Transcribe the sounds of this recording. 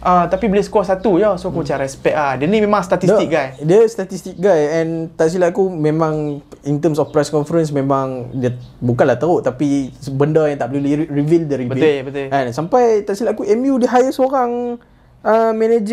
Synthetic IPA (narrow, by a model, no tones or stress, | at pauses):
ʔət̪apibəlesə̥kɔsat̪ujosoakut͡ʃaɾaɛspɛʔ̚adənimẽmãŋst̪at̪ist̪ik̚ɡajdiəst̪at̪ist̪ik̚ɡajɛ̃nt̪aʔs̬ilaʔkumẽmãŋint̪əmsɔfpɾɛskɔnfəɾəns̬mẽmãŋdiəbukanlaht̪auʔt̪apisəbəndəjãŋt̪aʔplilirivildəɾibəbt̪bət̪ɛ̃nsampajt̪aʔsilaʔkuʔɛmjudəɦajəsoɾaŋ | əmɛ̃ned͡ʒ